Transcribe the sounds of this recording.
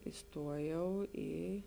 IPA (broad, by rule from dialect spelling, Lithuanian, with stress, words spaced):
ɪˈstuɔjɛʊ ˈiː